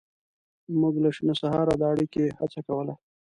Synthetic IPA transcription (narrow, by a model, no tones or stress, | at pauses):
muɡlaʂinosaɦɑɾad̪əaɽikehat͡sakawəla